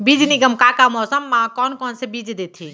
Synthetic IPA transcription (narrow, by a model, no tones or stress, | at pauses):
bid͡ʒniɡəmkakamɔsəmːãkɔnkɔnsebid͡ʒd̪et̪ʰi